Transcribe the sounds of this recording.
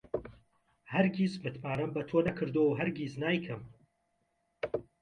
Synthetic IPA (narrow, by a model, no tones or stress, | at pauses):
hɐɾɡismɨt̪ʰmaːɾɐmbɐt̪ʰoːnɐkʰɨɾd̪oːwɦɐɾɡiznaːjkʰɐm